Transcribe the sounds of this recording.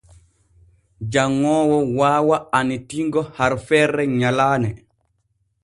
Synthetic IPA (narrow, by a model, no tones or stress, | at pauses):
d͡ʒaŋːɔːwɔwaːwaanitiŋɡɔhaɾfɛɾːɛɲalaːnɛ